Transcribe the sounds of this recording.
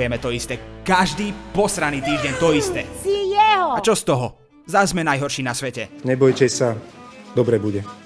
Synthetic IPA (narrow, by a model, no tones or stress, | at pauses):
jɛmɛt̪ɔist̪ɛkaʒd̪iːpɔsɾaniːt̪iːʒɟɛɲt̪ɔist̪ɛːsijɛɦɔat͡ʃɔst̪ɔɦɔ | zazmɛnajɦɔɾʃiːnasʋɛcɛɲɛbɔjcɛsad̪ɔbɾɛbuɟɛ